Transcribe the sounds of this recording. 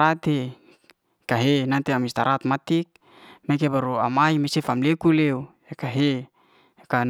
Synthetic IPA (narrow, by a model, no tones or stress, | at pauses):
at̪e | kaɦenant̪eamist̪aɾat̪mat̪ik̚ | mek̬ebaɾuamajmesefamlekuleu | ekaɦe | ekan